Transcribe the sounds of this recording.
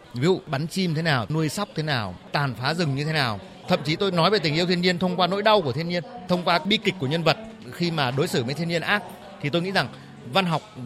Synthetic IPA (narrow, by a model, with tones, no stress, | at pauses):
vi˨˦zṵ˧˨ɓa˨˦nt͡ɕi˧m˧t̪ʰe˨˦naː˨˩wnu˧əjsa˦˥wk͡p̚t̪ʰe˨˦naː˨˩wt̪aː˨˩nfaː˨˦zɨ˨˩ŋɲɨ˧e˨˦naː˨˩w | t̪ʰə̰˧˨mt͡ɕi˨˦t̪o˧jnɔ˨˦jve˨˩t̪ï˨˩ʔəwt̪ʰənɲi˧ənt̪ʰə˧wŋ͡mkwaː˧no̰˧˥jɗa˧wku˧˩ət̪ʰi˧ənɲi˧ənt̪ʰə˧wŋ͡mkwaː˧ɓi˧ki˨˩k̚ku˧˩ɲə˧nvə˨˩t̚ | xi˧maː˨˩ɗo˨˦jsɨː˧˩mə̰˨˦jt̪ʰi˧ə˧ɲi˧ənʔaː˦˥k̚ | t̪ʰi˨˩t̪o˧jŋḭ˧˥za˨˩ŋ | va˧nɦɔ˨˩wk͡p̚